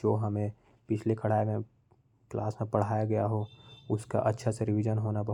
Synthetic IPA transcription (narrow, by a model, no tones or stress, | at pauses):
oːɦɐmẽ | pɪt͡ʃʰlekʰɐɽ̤aːemẽ | kla̰ːsmẽpɐɽ̤aːjaɡɐjaɦoʊska̰ʔɐtːʃʰaseɾɪʋɪd͡ʒənɦoːnabɐɦ